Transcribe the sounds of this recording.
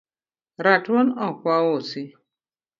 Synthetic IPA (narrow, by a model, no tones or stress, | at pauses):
ɾatɔnɔkʷaosi